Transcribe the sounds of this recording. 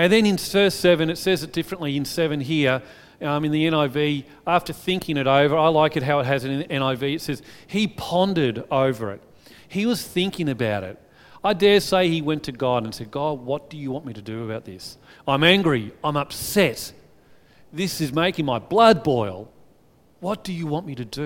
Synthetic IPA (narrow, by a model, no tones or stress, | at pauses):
ɨ̃nðɨ̃nɨ̃nsɜ˞sɛvɨ̃nɨtsɛzɨt̚d̥ɪfɹɨ̃nʔliɨ̃nsɛvɨ̃nɦiɹ | ɨ̃nðiɛ̃ñaɪvi | æftə˞θɪ̃ŋkʰɪ̃ŋɨɾoʊvə˞aɪlaɪkɨt̚ɦaʊɨt̚ɦɨzɨ̃nɛ̃ɾ̃aɪviɨtsɛz̥hipʰɑ̃ndəɾoʊvə̰˞ɪ̰t̚ | hiwʌz̥θɪ̃ŋkɪ̃ŋɨbaʊɾɪ̰t̚ | aɪdɛɹseɪiwɛ̃ntʰɨɡɑɹɾɨ̃n̩sɛd̚ɡɑd̚wʌt̚d̥ɨjɨwɑ̃nmiɾɨdɨɨbaʊt̪̚ðɪs | ãɪ̃mæ̃ŋɡɹiãɪ̃mʌpsɛt̚ | ðɪsɨzmeɪkɪ̃ŋmaɪblʌd̚bɔɪlˠ | wʌt̚d̥ɨjɨwɑ̃nmiɾɨdɨ